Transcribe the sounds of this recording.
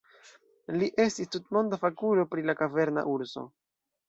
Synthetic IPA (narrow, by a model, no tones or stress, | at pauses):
liʔe̞stistutmo̞ndafakulo̞pɾilakave̞ɾna̰ʔuɾso̞̰